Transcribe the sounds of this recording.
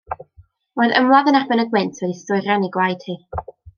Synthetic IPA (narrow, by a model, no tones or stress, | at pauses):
roɨðəmlˠaðənabɛnəɡwɪntʰwɛdistʊɨɾjaniɡwajd̥hiː